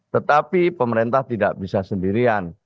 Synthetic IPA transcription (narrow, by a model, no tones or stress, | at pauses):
t̪ət̪apipəməɾent̪aht̪idaʔbisasəndiɾian